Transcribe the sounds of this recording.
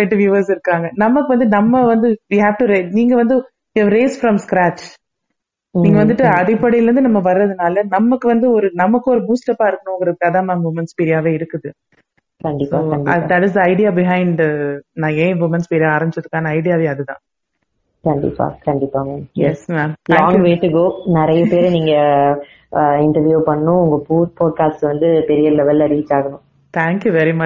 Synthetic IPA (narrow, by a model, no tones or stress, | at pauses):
ɛʈːɯʋjuːʋɐɾsɪɾɯkːaːŋɡɐnɐmːɐkːɯʋɐnd̪ɯnɐmːɐʋɐnd̪ɯʋiːɦæːʋʈuɾeniːŋɡɐʋɐnd̪ɯ | ɐʋɾeːsfɾɐmskɾæːt͡ʃ | niːŋɡɐʋɐnd̪ɯʈːɯɐðɪpːɐɽɪjɪlɾɯnd̪ɯnɐmːɐʋɐɾːɐðɯnaːlɐnɐmːɐkːɯʋɐnd̪ɯɔɾɯnɐmɐkːɯɔɾɯbuːsʈɐpaːɪɾɯkːɐɳõŋɡɪɾɐðɯkaːðãːnaːʋʊmɐnspiɾɪjaːʋeːɪɾɯkːɯðɯ | kɐɳɖɪsoaːɐɳɐd̪ɐʈɪs̬d̪ɐɪɖɪjaːbɪɦɐ̃ɪɳɖnãːeːʋʊmɛnspiːɾɪjaːɾɐmd͡ʒɪt͡ʃːɐðɯkːaːnɐɐɪɖɪjaːʋeːɐðɯðãː | kɐɳɖɪ̰pːa̰ːkɐɳɖɪpːaːŋɡɐjɛsmaːmtl̃ʰːãːŋjɡʋeːʈːɯɡoːnɪɾɐjɐpeːɾniːŋɡɐ | ɪɳʈɐɾʋjuːpɐɳːʊ̃ʊŋɡɐpuːpoːɖ̚kaːsʈʋɐnd̪ɯpɛɾɪjɐlɛʋɛlɐɾiːt͡ʃːaːɣɐɳʊ̃ | t̪ʰæːŋkjuʋɛɾimɐ